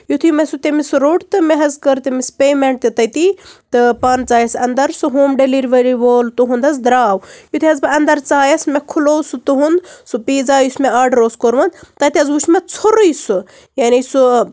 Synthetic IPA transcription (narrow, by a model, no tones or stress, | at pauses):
jut̪ʰimɐsut̪emisɾoːɖt̪ɨmeɦɐzkɐɾt̪emispeːmeɳʈ̚t̪it̪ɐt̪it̪ɨpaːnt͡saːjɐsɐnd̪ɐɾsuɦoːmɖeliɾʋɐɾiʋoːlt̪uɦund̪ɐs̬d̪ɾaːwjut̪ʰiɐzbɨɐnd̪ɐɾt͡saːjɐsmekʰuloːsut̪uɦund̪supiːzaːjusʲmeaːɖɾoːskoɾʋɐnd̪t̪ɐt̪iɐzut͡ʃʰmet͡sʰoɾujsu | jaːnisu